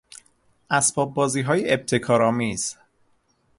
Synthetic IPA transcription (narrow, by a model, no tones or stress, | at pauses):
ʔæsb̥ɒːb̚ːɒːziːɦɒːjeeb̚t̪ʰe̞kʰɒːɾɒːmiːz̥